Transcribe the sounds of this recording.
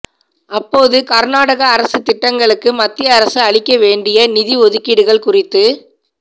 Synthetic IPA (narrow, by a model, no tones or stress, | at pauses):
ʔɐpːoːðɯkɐɾnaːɽɐɣɐːɾɐsɯt̪ɪʈːɐŋɡɐɭɯkːɯmɐt̪ːɪjɐːɾɐsɯɐɭɪkːɐʋeːɳɖɪjɐnɪðiɔðɯkːiɽɯɣɐɭkʊrɪt̪ːɯ